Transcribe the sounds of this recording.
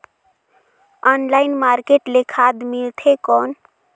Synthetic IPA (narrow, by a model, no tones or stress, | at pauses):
ɔnlaɪnmaɾkeʈlekʰad̪milt̪ʰekɔn